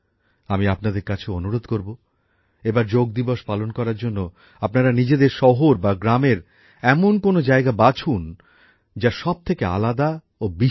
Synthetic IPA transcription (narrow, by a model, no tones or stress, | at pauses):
amiapnad̪eɾkat͡ɕʰeonuɾod̪koɾbo | ebaɾd͡ʑoɡ̚d̪iboʃpalonkɔɾaɾd͡ʑonːo | apnaɾanid͡ʑed̪eɾʃɔɦoɾbaɡɾameɾ | ɛmonkonod͡ʑaeɡabat͡ɕʰun | d͡ʑaʃɔb̚t̪ʰekea̰lad̪a | obi